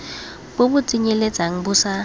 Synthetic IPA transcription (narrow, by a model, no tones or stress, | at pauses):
bobʊt͡sʼiɲelet͡sʼaŋ̩bʊsa